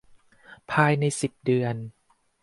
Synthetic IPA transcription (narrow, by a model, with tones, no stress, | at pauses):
pʰaː˧jna˧jsi˨˩p̚dɯ˧ən